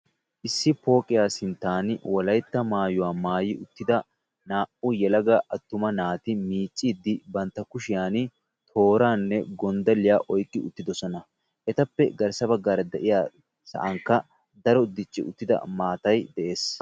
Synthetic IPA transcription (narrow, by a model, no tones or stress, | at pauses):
ʔɪsːɪpo̞ːkʼɪjaːsɪnt̪ːaːnwɐlɐjt̪ːɐmaːjʊwaːmaːjɪʊt̪ːɪd̪ɐ | naːʔʊjɛlɐɡɐʔɐt̪ːʊmɐnaːt̪ɪmiːt͡ʃʼːiːd̪ːɪbɐnt̪ːɐkʊʃɪjaːn | t̪ʰo̞ːɾaːnːɛɡɔnd̪ɐlɪjaːʔɔjkʼːɪʊ̰t̪ːɪd̪ɔsɔnɐ | ʔɛt̪ɐpːɛɡɐɾsɐbɐɡaːɾɐd̪ɛʔɪjaː | sɐ̰ʔɐŋkːɐ | d̪ɐɾɔd̪ɪt͡ʃːɪ̰ʊt̪ːɪd̪ɐ̰maːt̪ɐjd̪ɛʔe̞ːs